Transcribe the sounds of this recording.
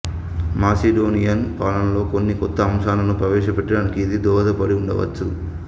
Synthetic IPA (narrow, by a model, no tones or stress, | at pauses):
maːseɖoːnijɐnpaːlɐnlo̞ːkonːikɔt̪ːɐːmʃaːlɐnupɾɐʋɛːʂɐpɛʈːɐɽaːnikiːd̪id̪ɔːɐd̪ɐpɐɽiuɳɖɐ̰ʋɐ̰t͡ʃːu